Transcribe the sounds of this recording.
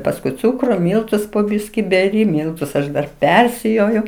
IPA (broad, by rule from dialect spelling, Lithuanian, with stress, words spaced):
pɐsˈkʊɪ ˈt͡suːkrʊ ˈmʲiːlˠtʊs poː ˈbʲiːsʲkʲɪ bʲɛˈrʲɪ ˈmʲiːlˠtʊs ɐʃ ˈdɐr ˈpʲɛrʲsʲɪjoːjʊ